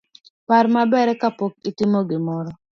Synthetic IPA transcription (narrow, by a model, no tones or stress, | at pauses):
paɾmabɛɾɛkapok̚itɪmoɡɪmɔɾɔ